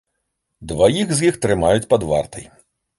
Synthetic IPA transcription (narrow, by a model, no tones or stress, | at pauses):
d̪vajiɣzʲjixt̪ɾɨmajut͡sʲpad̪va̰rt̪ɐj